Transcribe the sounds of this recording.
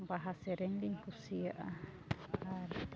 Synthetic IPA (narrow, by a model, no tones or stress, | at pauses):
baɦaseɾeŋliŋkusiaʔa | a